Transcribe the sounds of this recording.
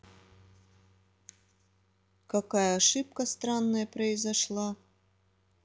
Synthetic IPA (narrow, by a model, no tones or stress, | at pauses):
kakajɐːʂɨp̚kɐst̪ɾanːɐjɐpɾɐɪzɐʂlˠa